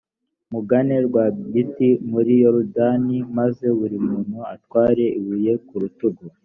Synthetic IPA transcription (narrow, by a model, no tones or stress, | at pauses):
muɡane̞ɾɡwabitimuɾijoɾudanimaze̞βuɾimuːnhuatwaːɾe̞ʔiβuje̞kuɾutuɡo